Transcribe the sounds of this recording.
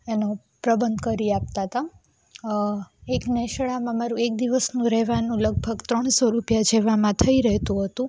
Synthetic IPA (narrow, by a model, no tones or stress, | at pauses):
eno | pɾəbənd̪ʱkəɾiap̚t̪at̪a | ekneʃɭamãmaɾũek̚d̪iʋəsnũɾɛɦʋanũləɡ̚bʱəɡt̪ɾəɳsoɾupjad͡ʒeʋamãt̪ʰəiɾəɦet̪ũɦət̪ũ